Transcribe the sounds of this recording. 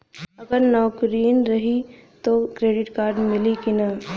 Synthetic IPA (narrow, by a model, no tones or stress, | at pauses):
ɐɡəɾnɔːkɾiːnɾɐɦit̪oːkɾeːɖɪʈkaːɾɖmɪlikinaː